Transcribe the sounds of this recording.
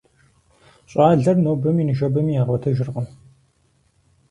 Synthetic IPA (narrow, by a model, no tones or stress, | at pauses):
ɕʼaːɮɐrnoːbɐminɨʒɐbɐmiːjaːʁʷɔtʰɐʒɪrʁən